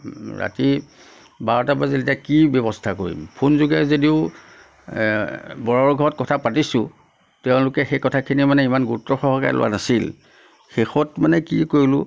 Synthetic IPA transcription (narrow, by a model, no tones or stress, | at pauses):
ɹa̰ti | baɹɔtapaziltakibjɔbɔstʰakoɹḭmpʰunzuɡɛzodiʊ | bɔɹɔɹɡʱɔɹɔt̚kɔtʰapatisʊ̃ | tɛʊ̃lʊkɛxejkɔtʰakʰinimanɛimanɡutːɔxɔɦɔka̰ɹḭlʊ̰wa̰nasil | xexɔtmanɛkikolʊ